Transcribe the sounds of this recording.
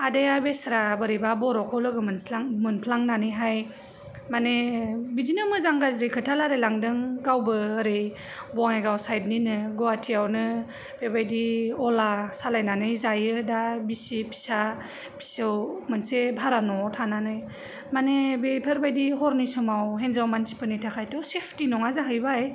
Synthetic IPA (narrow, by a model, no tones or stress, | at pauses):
adajabesɾabɯɾibabɔɾɔkʰɔlɯɡɯmɯnaŋmɯnpʰlaŋnanɯjɦaj | manebid͡ʒinɯmɯzaŋɡazɾikʰɯtʰalaɾelaŋdɯŋɡawbɯːɾej | bɔŋajɡawsajd̚ninɯɡɔatʰijawnɯ | b̥ebajdiɔlasalajnanɯjzajɯdabisipʰi̥sa | pʰi̥sɯwmɯnsebʱaɾanɔtʰananɯj | manebepʰɯɾbajdiɦɔɾnisɔmawɦenzawmansʰi̥pʰɯnitʰakʰajtɔsepʰtinɔŋazaɦɯjbaj